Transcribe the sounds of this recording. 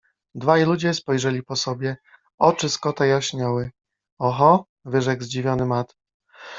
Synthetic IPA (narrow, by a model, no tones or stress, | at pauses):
d̪vajlud͡ʑɛspɔjʐɛlʲipɔsɔbʲjɛ | ɔt͡ʂɘskɔt̪ajaɕɲawɘ | ɔxɔ | vɘʐɛɡzd͡ʑivʲjɔnɘmat̪